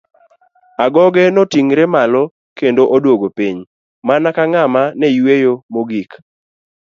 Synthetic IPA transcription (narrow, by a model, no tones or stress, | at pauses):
aɡɔɡɛnotiŋɾɛmalɔ | kendoʔodwoɡopiɲ | manakaŋamanɛjwejomoɡik